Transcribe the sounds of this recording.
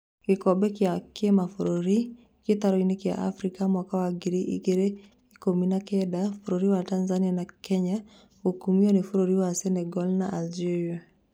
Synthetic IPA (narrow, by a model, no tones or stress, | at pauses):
kekɔbɛkjakemafoɾoɾi | ketaɾɔinekja̰ʔa̰fɾikamwakawaɡiɾiʔḭɡeɾe | ikominakɛdafuɾoɾiwatanzanianakɛɲa | okumiɔnefuɾoɾiwasɛnɛɡɔlnaʔald͡ʒeɾia